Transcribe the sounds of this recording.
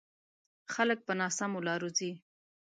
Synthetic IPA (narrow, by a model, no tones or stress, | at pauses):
xalək̚pənɑsamolɑɾuzi